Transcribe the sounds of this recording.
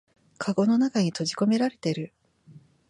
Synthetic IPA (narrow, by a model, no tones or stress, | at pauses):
kʰaɡo̞no̞nakaɲ̟it̪o̞ʑi̥ko̞me̞ɾaɾe̞t̪e̞ɾɯ̟